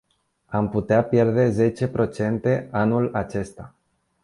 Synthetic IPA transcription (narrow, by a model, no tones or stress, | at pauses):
amput̪eapje̞rd̪e̞ze̞t͡ʃe̞pɾo̞t͡ʃe̞nt̪e̞anulat͡ʃe̞st̪a